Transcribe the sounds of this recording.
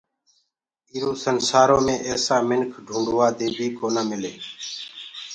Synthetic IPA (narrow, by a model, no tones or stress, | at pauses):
iːɾũːsənsaːɾõːmẽːʔeːsãːmɪnkʰɖʱũːɳɖʋaːd̪eːbʱiːkoːnãːmɪleː